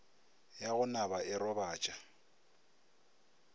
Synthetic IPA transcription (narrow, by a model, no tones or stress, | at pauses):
jaɣʊnaβaʔɪrɔβaːt͡ʃʼa